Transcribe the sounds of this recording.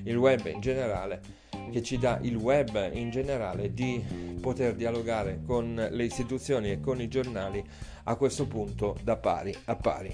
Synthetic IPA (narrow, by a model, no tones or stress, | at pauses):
ilwɛbːḭnd͡ʒeneɾa̰ːle | k̟et͡ʃːid̪aʔilwɛbind͡ʒeneɾa̰ːled̪ipot̪erd̪ialoɡaːɾekonleist̪it̪ut̪sːjoːniekːonid͡ʒornaːli | akːwest̪opunt̪od̪apːa̰ːɾiapːa̰ːɾḭ